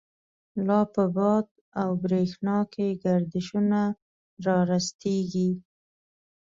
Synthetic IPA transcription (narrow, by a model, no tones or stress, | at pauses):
lɑpəbɑd̪ | awbɾexnɑkeɡaɾd̪ɪʃuna | ɾɑɾast̪eɡi